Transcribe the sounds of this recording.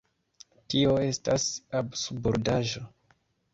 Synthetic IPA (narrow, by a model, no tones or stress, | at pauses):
tio̞e̞stasabsuboɾdaʒo̞